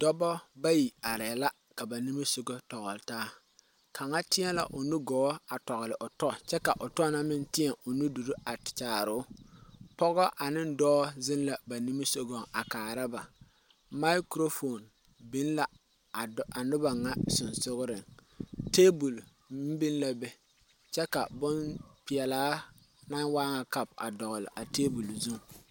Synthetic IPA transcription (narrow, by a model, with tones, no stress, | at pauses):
d̥ɔ˦bɔ˦ba˦ji˨a˨ɾɛ˨la˦ | ka˨ba˨ni˦mi˦so˦ɡo˦tɔ˨ɡʊ˨ltaː˦ | kʰa˨ŋa˦tɪ˦ɛ˦la̰˨ʔʊ˨nu˦ɡɔ˨˦a˨tɔ˨ɣlɪ˨ʔʊ˨tɔ˦˨t͡ʃɛ˦ka˨ʔʊ˨tɔ˦na˦mɪ˦ntɪ˦ɛ˨ʔʊ˨nu˦du˨ɾu˦ʔa˨tt͡ʃaː˨ɾʊ˨˦pɔ˦ɡɔ˦ʔa˨nɪ˦n̩˦dɔː˦zɪ˦nla˨ba˨ni˦mi˦so˦ɡo˨a˨kaː˨ɾa˦ba˨ | ma˦kɾo˦fo˨n | bi˦nla˨ | a˨nʊ˦ba˨ŋa˦sʊ˨nsʊ˦ɣʊ˦ɾɪ˨ŋte˦bu˨l | m̩˦bi˦nla˨bɛ˦ | t͡ʃɛ˦ka˨bʊ˦npɪ˨ɛ˨laː˦ | na˦waː˦ŋa˨ka˨pa̰˨dɔ˨ɣʊ˨lɪ̰˨ʔa˨teː˦bu˨lzu˦ŋ˨